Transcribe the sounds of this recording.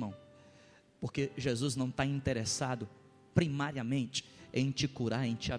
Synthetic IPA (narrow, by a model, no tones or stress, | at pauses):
mɐ̃w̃ | poɾkeʒezuznɐ̃w̃t̪aĩnt̪eɾesad̪ʊ | pɾimaɾiɐmẽnt͡ʃɪ̥ẽj̃t͡ʃɪkuɾaɾẽj̃t͡ʃɪa